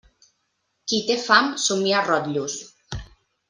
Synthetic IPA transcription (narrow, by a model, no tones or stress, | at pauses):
kit̪efamsumiarɔt̪ʎus